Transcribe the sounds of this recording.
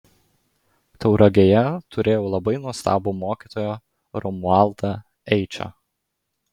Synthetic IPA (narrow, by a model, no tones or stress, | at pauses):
t̪ɐʊɾɐɡʲejɛt̪ʊɾʲʔeːjoːlˠɐbɐɪnuɔst̪ɑ̰ːbomoːkʲiːt̪oːjoː | ɾɔmʊɑˑlˠt̪ɐ | ɛɪt͡ʃʲo̰